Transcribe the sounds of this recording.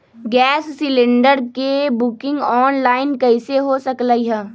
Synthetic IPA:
ɡɛːsːɪlɪ̃ɳɖəɾkebʊkɪ̃ŋɡɔːnlaːɪnkɐɪseɦosɐklaːiɦɛː

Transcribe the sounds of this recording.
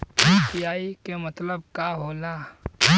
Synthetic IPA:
epijaːikemɐt̪ləb̚kaɦoːlaː

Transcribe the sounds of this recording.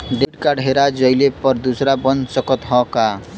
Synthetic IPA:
ɖeɖkaɖʱeɾad͡ʒʌilepəɾd̪usɾabʌnsʌkət̪ɦɔ̃ka

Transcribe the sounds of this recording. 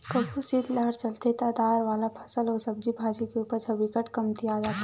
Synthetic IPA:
kəbʱusid̪ləɦəɾt͡ʃəlt̪et̪aːd̪aːɾʋaːlapʰɐ̥səlɔːɾsɐb̚d͡ʒibʱaːd͡ʒikeuːpəɾt͡ʃʰəbikəʈkəmt̪iaːd̪aː

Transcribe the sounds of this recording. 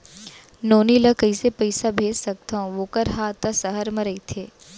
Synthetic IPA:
noːnilɐkəisepəɪsabʱeːd͡ʒsɐk̚t̪aõʋoːkəɾɦaːt̪ɐsəɦəɾmɐɾɐit̪ʰeː

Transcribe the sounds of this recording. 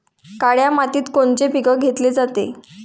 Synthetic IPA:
kaɽjamat̪iːt̪koɳt͡sepiɡəɡʱet̪led͡zat̪e

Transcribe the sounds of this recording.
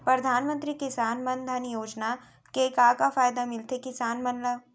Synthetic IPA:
pɾɐd̪ʱaːnmə̃nt̪ɾikɪsaːnmɐnd̪ʱənjoːd͡ʒna | keːkakafaːjd̪amɪlt̪ekɪsaːnmɐnlə

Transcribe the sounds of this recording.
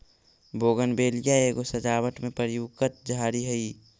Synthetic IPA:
boːɡənbeːlijaeːɡosəd͡ʒaːʋəʈmẽpəɾjuːɡkət̪̚d͡ʒaːɾiɦəi

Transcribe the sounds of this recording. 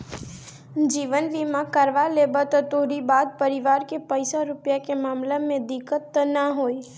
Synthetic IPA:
d͡ʒiːʋənʋimãkəɾʋalebət̪ɔt̪oɾibaːd̪̚pəɾɪʋaːɾkepəɪsaɾʊpjakemaːmlamẽd̪ɪkət̪ːnaɦoːi

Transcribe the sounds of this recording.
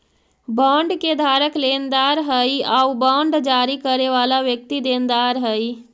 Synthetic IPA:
baɳɖked̪ʱaɾəklend̪aɾɦəjaubãɳɖd͡ʒaɾikəɾeʋalaʋjək̚t̪id̪end̪aɾɦəj

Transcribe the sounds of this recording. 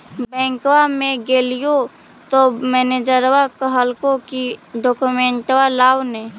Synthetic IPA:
bɛ̃ːŋkwamẽɡeːlijo | t̪omɛːned͡ʒəɾwakəɦəlkokiɖɔːkumẽɳʈwalaːwne

